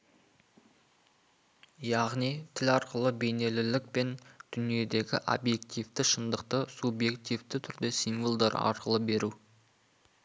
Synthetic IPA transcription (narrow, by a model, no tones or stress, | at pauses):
jɑʁnijt̪ʰɪlɑɾqəlˠəbe̞jne̞lɪlɪk̚pe̞nd̪̥ʏnije̞d̪e̞ɡʲɪ̰ʔo̰bje̞kt̪ijvt̪ɪʃənd̪əq̚t̪əsubje̞kt̪ijvt̪ɪt̪ʰʏɾd̪e̞sinvolˠd̪ɑɾɑ̰ɾqəlˠəbe̞ɾu